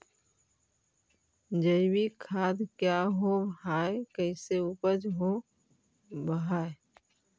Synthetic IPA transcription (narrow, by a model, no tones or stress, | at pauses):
d͡ʒəɪwikʰaːd̪kjaɦobɦaːekəɪseupəd͡ʒɦo | bəɦaːe